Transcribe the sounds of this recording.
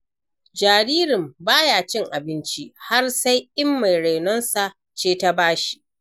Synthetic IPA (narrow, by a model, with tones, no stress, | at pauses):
d͡ʒaː˨ɽiː˦ɾɪ˨mbaː˦jaː˨t͡ʃɪ˦ŋʔa˨bɪ˦nt͡ʃi˦ha˦rsa˦jʔɪ˦mːa˨jɽa˨jnɔ˦nsa˨ʔ | t͡ʃeː˦ta˦baː˦ʃi̥˦ʔ